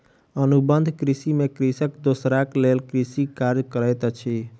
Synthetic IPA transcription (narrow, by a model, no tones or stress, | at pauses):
ənubənd̪ʱkɾisimekɾisəkd̪osɾaklelkɾisikaɾd͡ʒkəɾəjt̪t͡ʃʰi